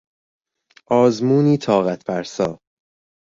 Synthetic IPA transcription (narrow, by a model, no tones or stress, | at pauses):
ʔɒːzmuːniːt̪ʰɒːɣæt̪ʰpʰæɾsɒː